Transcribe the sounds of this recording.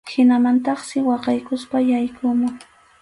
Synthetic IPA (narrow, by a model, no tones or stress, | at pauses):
hɪnamant̪ɑχsɪwɑqɑjkʊspajajkʊmʊ